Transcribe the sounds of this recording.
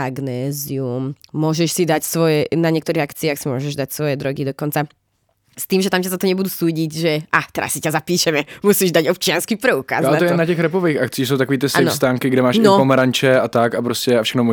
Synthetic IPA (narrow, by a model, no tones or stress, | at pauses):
aɡnɛːziumːʊɔʒɛʃsid̪acsʋɔjɛnaɲɪɛkt̪ɔɾiːɦakt͡siaːxsimʊɔʒɛʒd̪acsʋɔjɛd̪ɾɔɡid̪ɔkɔnt͡sa | st̪iːmʒɛt̪amcazat̪ɔɲɛbud̪usuːɟiɟʒɛʔat̪ɛɾa̰sːicazapiːʃɛmɛmusiːʒd̪aɟɔp̚t͡ʃɪanskipɾɛuka̰ːzalɛɔjɛɛnatɛxɾɛpoʋejxakt͡siːs̬owt̪akoɔʋiːt̪ɪsaːɛn̰st̪aːŋkɪɡdɛmaːʃnɔpɔmɛɾaɲt͡ʃɛat̪akapɾoscɛafʃɛxnomu